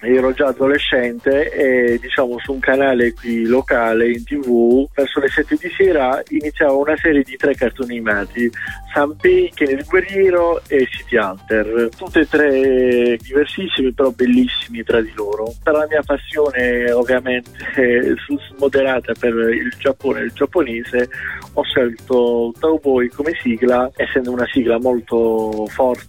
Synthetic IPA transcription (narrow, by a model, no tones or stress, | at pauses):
ɛːɾɔd͡ʒaːd̪oleʃːɛnt̪eed̪it͡ʃaːmosuːŋkanaːlekwilokaːleint̪ivuvɛrsolesɛt̪ːed̪isɛːɾainit̪sːjaːvounasɛːɾjed̪it̪ɾɛkːart̪onimaːt̪isampejkenelɡwerjɛːɾoesip̪jalt̪ert̪ut̪ːet̪ːɾɛd̪iversisːimipeɾɔbelːisːimit̪ɾad̪iloːɾopeɾɔlamiːapasːjoːneovːjament̪ʰe̥fusmod̪eɾaːt̪aperild͡ʒapːoːneild͡ʒapːoneːzeɔʃːɛlt̪ot̪awbɔjkomesiːɡlaɛsːɛnd̪ounasiːɡlamolt̪ofɔrt̪